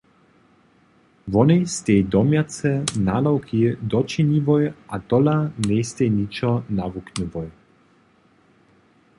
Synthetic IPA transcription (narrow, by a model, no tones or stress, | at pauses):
vɔnɛjst̪ejd̪ɔmjat͡sɛnalɔwkʰid̪ɔt͡ʃinivɔjat̪ɔlanɛjst̪ejnit͡ʃɔnavuknəvɔj